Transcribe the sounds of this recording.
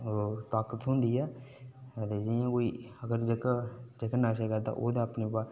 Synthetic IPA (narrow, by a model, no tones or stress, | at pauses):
t̪aːkət̪ɦʊ̃nd̪iːɛː | t̪eːd͡ʒɪãːkoːiːəɡəɾd͡ʒəkd͡ʒəkənaːʃɛːkəɾd̪a̰ːʔoːd̪ãːəpneːpaː